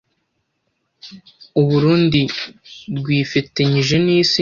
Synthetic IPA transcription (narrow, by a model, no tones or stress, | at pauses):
uβuɾuːndiɾɡwiːfitiɲiʒeniːsi